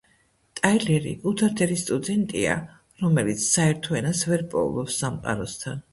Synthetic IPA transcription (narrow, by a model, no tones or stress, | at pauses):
t̪ʼajlɛɾḭkʼut̪ʰaɾt̪ʰɛɾist̪ʼud̪ɛnt̪ʼia̰ | ɾɔmɛlit̪sʰsaɛɾt̪ʰɔɛnasvɛɾpʼɔ̰ṵlˠɔpsːamqʼa̰ɾɔst̪ʰan